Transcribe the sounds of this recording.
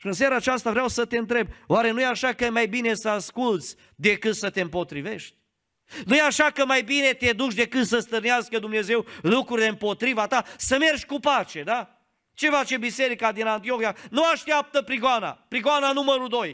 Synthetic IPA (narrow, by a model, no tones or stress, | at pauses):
ʃiɨns̬eɾaːt͡ʃast̪avɾeawsət̪e̞ɨnt̪ɾe̞b̚waɾe̞nujeaʃakəmajbine̞səaskult̪sʲ | d̪e̞kɨt̪sət̪eɨmpo̞t̪ɾive̞ʃt̪ʲ | nujeaʃakəmajbine̞t̪e̞d̪ut͡ʃd̪e̞kɨt̪səst̪ɨrneaskəd̪umne̞ze̞wlukɾuɾileɨmpo̞t̪ɾivat̪asəme̞rʃʲkupat͡ʃe̞d̪a | t͡ʃe̞fat͡ʃe̞bise̞ɾikad̪inant̪io̞xijanuaʃt̪ijap̚t̪əpɾiɡoana̰pɾiɡoananuməɾud̪o̞j